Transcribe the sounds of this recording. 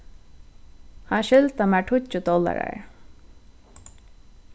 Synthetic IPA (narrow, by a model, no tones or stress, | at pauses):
haʃɪlt̪amaʈʰʊʊd̪ɔla̰ɹa̰ɹ